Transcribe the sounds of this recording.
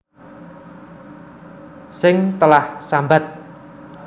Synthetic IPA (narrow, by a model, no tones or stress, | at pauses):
sɪŋt̪əlahsambat̪̚